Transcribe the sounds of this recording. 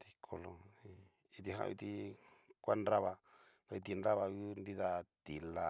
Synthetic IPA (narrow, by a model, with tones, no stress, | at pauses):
t̪i˧kʰo˧lo˧i˧ | i˧t̪i˧ɦã̰˧ʔḭ˧t̪i˧kʷa˦nɾa˦βa˧ | a˧i˧t̪i˧nɾa˦βa˧ju˦nd̪i˦ða˧t̪i˨la˧